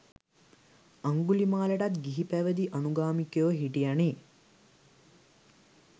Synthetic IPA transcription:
aŋɡulimaːleʈat̪ɡiɦipæʋəd̪iʔanuɡaːmikjeʋəɦiʈijani

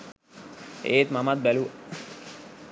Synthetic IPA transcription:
eːt̪mamat̪̚bælu

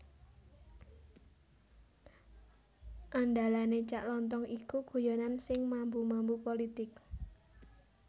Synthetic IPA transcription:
ʔanɖalanet͡ʃaʔlɔnt̪̬ɔŋʔikuɡ̥o̤janansɪŋmambumambupolit̪ɪk̚

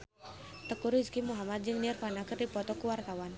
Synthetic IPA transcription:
t̪əkuɾiskimuɦamad̪̚d͡ʒɨŋnirfanakɨrdipɔt̪ɔkuwart̪awan

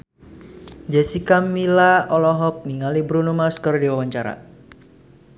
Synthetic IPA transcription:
d͡ʒɛsikamilaɔlɔɦɔk̚niŋalibɾunumaskərdiwawaɲt͡ʃaɾa̰

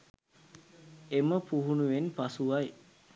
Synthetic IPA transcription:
eməpuɦunuʋenpasuʋaj

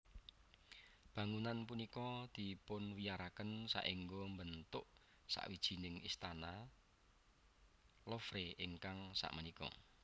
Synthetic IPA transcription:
b̥ä̤ŋunanp̬unikɔd̪̥i̤pʊnwijaɾakənsa̰ʔiŋɡombənt̪ʊʔ | sa̰ʔwid̥ʒ̥i̤nɪŋist̪ana | lofɾeɪŋkaŋsa̰ʔmənikɔ̰

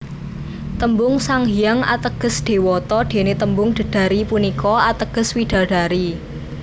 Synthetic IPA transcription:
t̪əmbʊŋsaŋɦijaŋa̰t̪əɡ̥ə̤sɖ̪̥e̤wɔt̪ɔɖ̪̥e̤net̪əmbʊŋɖ̥ə̤ɖ̥a̤ɾipunikɔat̪əɡ̥ə̤swiɖ̪̥ä̤ɖ̥a̤ɾi

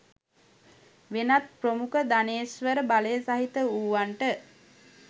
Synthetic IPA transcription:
ʋenat̪̚promukəd̪aneːsʋəɾəbaləjəsaɦit̪əuːʋaɳʈə

